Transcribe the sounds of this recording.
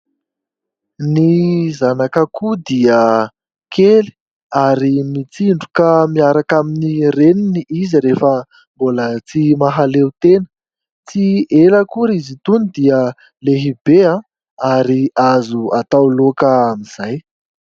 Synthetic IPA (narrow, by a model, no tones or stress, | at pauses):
nizanakəkud̪iə | kʰeli̥ | aɾimit͡siɳɖ͡ʐukəmiaɾakaminireniniiziɾefə | mbolət͡simaɦalewt̪enə̥ | t͡sieləkuɾizit̪unid̪iə | leɦibeã | aɾiazuat̪awlokəamiz̥aj